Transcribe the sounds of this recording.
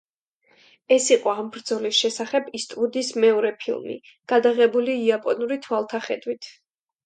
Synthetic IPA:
ɛsiqʼɔambɾd̪zɔlisʃɛsaχɛbist̪ʼvud̪ismɛɔɾɛpʰḭlˠmḭ | ɡ̥ad̪aʁɛbuliːapʼɔnuɾit̪ʰwalˠt̪ʰaχɛd̪wit̪ʰ

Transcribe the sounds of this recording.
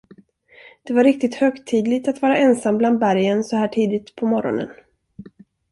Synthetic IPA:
d̪̥ɛvaɾɪk̚t̪ɪt̪høːkt̪ʰiːd̪lɪɡt̪at̪vɑːɾaɛnsambland̪̚bæɾjənsɔhæːʈʰiːd̪ɪt̪pʰɔmɔɾɔ̰nə̰n

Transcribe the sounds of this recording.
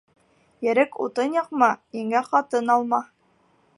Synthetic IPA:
jɘ̆ɾɘkṵt̪ɤnjɑqmɑiŋæqɑt̪ɤnɑlˠmɑ

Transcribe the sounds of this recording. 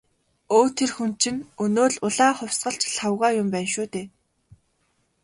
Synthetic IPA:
oːt̪ʰerxun̥t͡ɕɪ̆nɵnoːɮʊɮaːχʊwsɢə̆ɬt͡ɕɬʰawʁaːjʊmpæːnʃuːt̪eː

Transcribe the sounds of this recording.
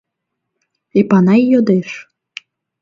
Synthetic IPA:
ipɑnɑjjod̪eʃ

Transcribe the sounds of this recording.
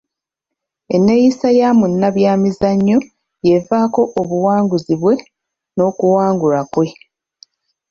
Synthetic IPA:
enːejisajaːmunːaβjaːmizaɲːo̞ | je̞vaːko̞ʔoβuwaːŋɡuziβwe̞ | no̞ːkuwaːŋɡulakwe̞

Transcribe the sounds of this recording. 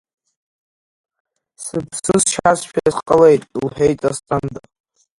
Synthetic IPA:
sɨpʰsɨzʃʰasʃᶣaasqʼəlejtʼulħᶣejt͡sʼast͡sʼand̪a

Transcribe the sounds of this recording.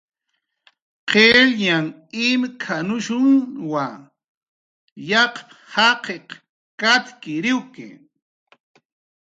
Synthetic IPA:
qeɾɲaŋ | ɪmkʰanʊʃʊŋwa | jɑqp | hɑqeq | kat̪kɪɾɪwkḛ

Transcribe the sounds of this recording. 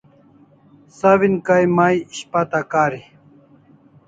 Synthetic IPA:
sawinkajmaːjiɕpat̪akaːɾi

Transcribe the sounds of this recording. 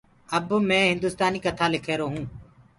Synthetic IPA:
əbmɛ̃ːɦɪ̃nd̪ʊːst̪aːniːkət̪ʰaːlɪkʰeːɾoːɦũː

